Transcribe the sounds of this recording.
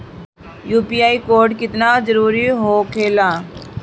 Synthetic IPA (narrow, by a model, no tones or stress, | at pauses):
juːpiːaːiːkoːɾɖkɪt̪nad͡ʒəɾuːɾiɦoːkʰeːlãː